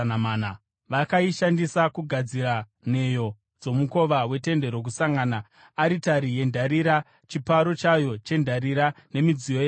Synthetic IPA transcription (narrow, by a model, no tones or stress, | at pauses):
namaːna | ʋakaiʃandisakuɡʱad͡ziɾa | ne̞jo̞ | d͡zo̞muko̞ʋawe̞te̞nde̞ɾo̞k̬usaŋɡaːnaː | ɾitaɾije̞ndʱaɾiɾa | t͡ʃipaɾo̞t͡ʃajo̞t͡ʃe̞ndʱaɾiɾane̞mid͡zioja